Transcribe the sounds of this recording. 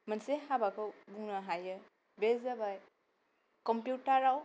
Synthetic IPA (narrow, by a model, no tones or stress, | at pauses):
mənsehabakʰɯbuŋnaɦajɯ | bezabaj | kɔmpjutaɾaw